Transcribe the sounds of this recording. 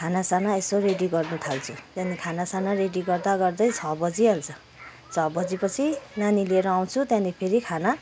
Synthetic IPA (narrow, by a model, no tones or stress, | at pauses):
kʰanasanaesoreɖiɡʌrnut̪ʰalt͡sʰut̪jãnikʰanasanareɖiɡʌrd̪aɡʌrd̪ʌjt͡sʰʌbʌd͡ziʌlt͡sʰʌ | t͡sʰʌbʌd͡zipʌt͡sʰinanilieɾʌaw̃t͡sʰut̪jãnipʰeɾikʰana